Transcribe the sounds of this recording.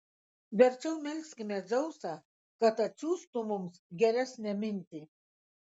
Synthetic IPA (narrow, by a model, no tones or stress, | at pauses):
vɛɾt͡ʃʰɛwmɛlʲskmʲɛd͡zɔwsa | kat̪ʰat͡ʃʰust̪umumsɡʲɛɾʲɛsnʲɛminʲt̪ʼi